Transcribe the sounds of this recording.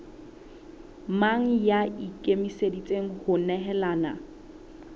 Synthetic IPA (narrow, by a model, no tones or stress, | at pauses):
maŋ̩jaikʼemisedit͡sʼeŋ̩hʊnɛɦɛlaːna